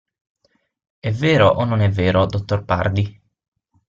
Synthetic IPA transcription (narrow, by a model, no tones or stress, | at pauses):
ɛvːeːɾoʔonːonɛvːeːɾod̪ot̪ːorpa̰rd̪i